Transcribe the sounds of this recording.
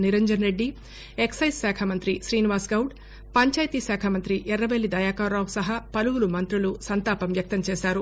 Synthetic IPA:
niɾɐɲd͡ʒɐnɾe̞ɖːi | eksɐjssaːkʰɐmɐnt̪ɾiʃɾiːniʋaːsɡɐwɖ | pɐɲt͡ʃaːjt̪iːsaːkʰɐmɐnt̪ɾiʔɛɾːɐʋelːid̪ɐjaːkaːɾɾaːwusɐɦapɐluɡulumɐnt̪ɾulusɐnt̪aːpɐmʋjɐk̚t̪ɐmt͡ʃɛːʃaːɾu

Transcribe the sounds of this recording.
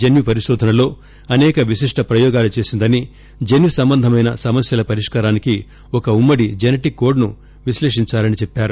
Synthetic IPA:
d͡ʒenjipɐɾiʃɔːd̪ʱɐnɐlo̞ː | ɐnɛːkɐʋiʃiʂʈɐpɾɐjɔːɡaːlut͡ʃe̞ːsind̪ɐni | d͡ʒenʋisɐmbɐnd̪ʱɐmɐjnɐsɐmɐsjɐlɐpɐɾiʂkaːɾaːniki | ɔkɐumːɐɽid͡ʒenɐʈiko̞ːɾɖnu | ʋiʃleːʂiɲt͡ʃaːlɐnit͡ʃɛpːaːɾu

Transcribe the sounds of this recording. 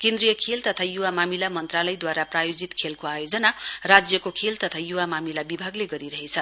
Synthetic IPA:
kẽnd̪rijʌkʰelt̪ʌt̪ʰajuwamamilamʌnt̪ralʌjd̪waɾaprajod͡zit̪kʰelkoajod͡zʌnarad͡zjʌkokʰelt̪ʌt̪ʰajuwamamilabibʱaɡleɡʌɾiɾʌɦet͡sʰʌ

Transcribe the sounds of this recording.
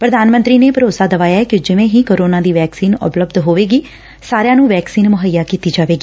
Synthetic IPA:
pɾəd̪aːnmə̃nt̪ɾiːneːpəɾoːsaːd̪əʋaːjaːɛːkɪd͡ʒɪʋẽːɦĩːkoːɾoːnãːd̪iːʋɛːksiːnʊ̰pləbd̪ɦoːʋeːɡiː | saːɾejãːnũːʋɛːksiːnmʊɦəjːaːkiːt̪iːd͡ʒaːʋeːɡiː

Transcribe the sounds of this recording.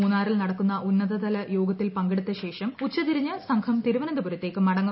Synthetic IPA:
uːnːaːrilnɐɽɐkːunːɐʔunːɐðɐðɐlɐjo̞ːɡɐt̪ːilpɐŋɡiɽut̪ːɐɕe̞ːʂɐmut͡ɕːɐt̪iɾiɲːɐsɐŋkʰɐmt̪iɾuʋɐnɐnd̪ɐbuɾɐt̪ːe̞ːkːɨmɐɽɐŋːɐ

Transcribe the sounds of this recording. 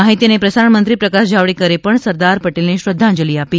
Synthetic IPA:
aɦit̪inepɾəsaɾəɳmənt̪ɾipɾəkaʃd͡ʒʱaʋɭikəɾepəɳsəɾd̪aɾpəʈelneɕɾəd̪ʱːãɲd͡ʒəliːapiː

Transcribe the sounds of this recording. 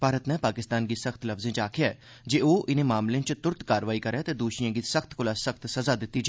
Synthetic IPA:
bʱaːɾət̪nɛ̃paːkɪst̪aːnkisɐxt̪lɐfzẽt͡ʃaːkʰejaː | d͡ʒeːoːʔɪnẽmaːmlẽt͡ʃt̪ʊɾt̪kaːɾʋaːikɐɾɛt̪ed̪uːʃijãːkisɐxt̪kʊlasəxt̪sɐzad̪ɪt̪ːid͡ʒ

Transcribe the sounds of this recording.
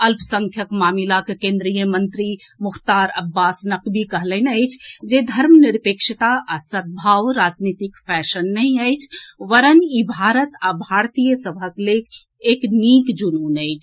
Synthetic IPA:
əlpsəŋkʰjəkmamilakekẽnd̪ɾijəmənt̪ɾimuxt̪aɾə̰bːasnəkbikəɦlənəjt͡ʃʰd͡ʒed̪ʱəɾmniɾpekʃit̪aʔasət̪̚bʱaʋɾad͡ʒnit̪ikpʰɛʃənːəĩəjt͡ʃʰʋəɾənibʱaɾət̪abʱaɾt̪ijəsəbʱəklekʰ | eknikd͡ʒununəɪt͡ʃʰ

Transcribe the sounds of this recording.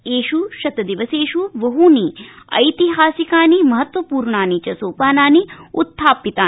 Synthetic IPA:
eːʃuʃɐt̪ɐd̪iʋɐseːʃuʋɐɦuniɐ̰jt̪iɦaːsikaːnimɐɦɐt̪ʋɐpuːɾɳaːnit͡ʃɐsoːpaːnaːniut̪ʰːaːpit̪aː

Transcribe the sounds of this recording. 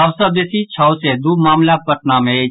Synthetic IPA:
ɐʋsɐb̪esit͡ʃʰawsed̪uːmaːmlapɐʈ̚naːme

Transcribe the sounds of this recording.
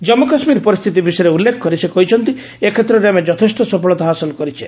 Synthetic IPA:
d͡ʒɔmːokasmiɾpɔɾist̪ʰit̪̬ibisɔjɾeulːekʰɔ̥kɔɾisekɔɦit͡ʃʰɔnt̪i | ekʰet̪ɾɔɾeamed͡ʒɔt̪ʰesʈɔsɔpɔɭɔt̪aɦasɔlɔkɔɾit͡ʃʰi̥

